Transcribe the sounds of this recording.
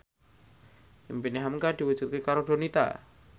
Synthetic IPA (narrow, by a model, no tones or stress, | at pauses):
impineɦamŋkad̪̥iwud̥d͡ʒ̥ut̪̚kekaɾoɖ̥o̤nit̪a̰